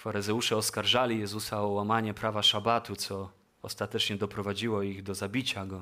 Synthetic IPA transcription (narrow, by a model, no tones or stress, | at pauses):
faɾɘzɛwuʂɛɔskaɾʐalʲijɛzusaɔwamaɲɛpɾavaʂabat̪ut̪sɔ | ɔst̪at̪ɛt͡ʂɲɛd̪ɔpɾɔvad͡ʑiwɔiɣd̪ɔzabʲit͡ɕaɡɔ